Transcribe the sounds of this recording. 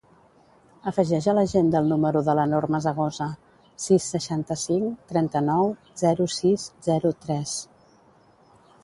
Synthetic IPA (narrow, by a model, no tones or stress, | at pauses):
əfəʒɛʒələʒend̪əlˠnuməɾuðələnoɾməzəɣ̞ozə | sisːəʃant̪əsiŋt̪ɾɛnt̪ənɔw | zɛɾusizzɛɾut̪ɾɛs